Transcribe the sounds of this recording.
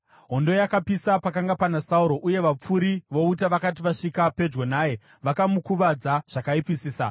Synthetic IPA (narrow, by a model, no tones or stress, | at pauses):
ɦo̞ndo̞jakapisapakaŋɡapanasauɾo̞ʔuje̞ʋap͡fuɾiʋo̞utaʋakat̬iʋaʂikape̞d͡ʒɡonaːje̞ | ʋakamukuʋad͡zaʐ̥akaipisiːsa̰